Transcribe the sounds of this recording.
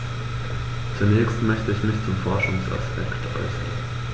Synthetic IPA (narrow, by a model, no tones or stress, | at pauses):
t͡sunɛːçstmœçtəɪçmɪçt͡sʊmfɔɐʃʊŋsa̰spʰɛktʰʔɔ̰ʊsɡ̥ḛːən